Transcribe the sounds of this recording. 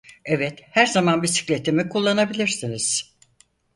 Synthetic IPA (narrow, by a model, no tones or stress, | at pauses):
ɛvɛt̪hæɾzamanbisi̥clʲe̞t̪ʰimikʰulˠːanabilʲiɾsiniz̥